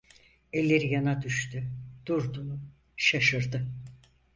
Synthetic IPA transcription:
ɛlʲːe̞ɾijanad̪yʃt̪ʰyd̪̥uɾd̪unu | ʃaʃɯɾd̪ɯ

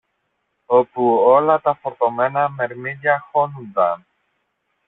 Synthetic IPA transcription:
opuolɐt̪ɐfoɾt̪omenɐmeɾmiʎɐxonund̪ɐn

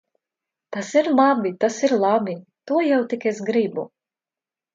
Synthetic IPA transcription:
t̪asiɾlˠabit̪asiɾlˠabit̪uɔjawt̪ikesɡɾibṵ

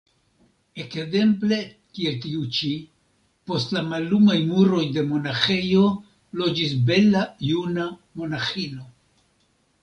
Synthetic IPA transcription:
e̞kze̞mple̞kie̞ltiut͡ʃi | po̞stlamalːumajmuɾo̞jde̞mo̞naxe̞jo̞ | lo̞d͡ʒis̬be̞lajunamo̞naxino̞

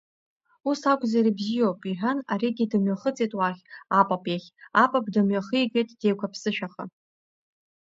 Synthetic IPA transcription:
usakʷʼzaɾibzijowpʼiħʷᶣanaɾiɡʲidɨmɥaχət͡sʼetʼwaχʲapʼapʼjaχʲapʼap̚ʰʼdɨmɥaχɨiɡʲʷʼetʼd̥e̞jkʷʰapʰsɨʃᶣaχə̰

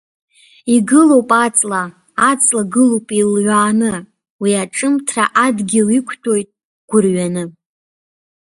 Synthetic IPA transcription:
iɡɨlo̞wpʼat͡sʼla | at͡sʼlaɡɨlowpʼilʕʷaːnɨ | wiaʈ͡ʂʼɨmtʰra̰ʔadɡʲɪlikʷʰtʰʼo̞jtʼ | ɡ̥ʷʊrɥanɨ

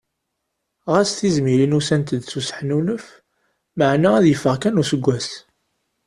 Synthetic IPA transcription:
ʁæsθizmiɾinusænt̪əd̪susə̥ħnunəf | məʕnææðjəfːəʁkænusəɡʷːæs

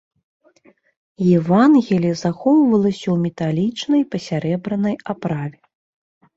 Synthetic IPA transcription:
jɛvanɣʲɛlʲizaxɔwvɐlˠɐsʲɐwmʲɛt̪alʲit͡ʂnɐjpɐsʲaɾɛbɾɐnɐjapɾavʲɛ

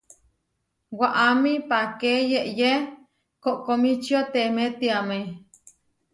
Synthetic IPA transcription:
waʔamipakejeʔje | koʔkomit͡ʃiot̪emet̪iame

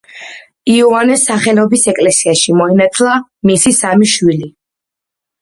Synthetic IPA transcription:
iɔanɛsːaχɛlɔbisɛkʼlɛsiaʃimɔinat̪ʰlˠamisisamiʃwili

